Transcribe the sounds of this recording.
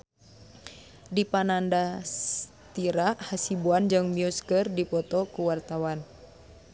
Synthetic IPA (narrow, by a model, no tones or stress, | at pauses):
dipanandas | t̪iɾahasibuand͡ʒɨŋmiuskərdipɔt̪ɔkuwart̪awan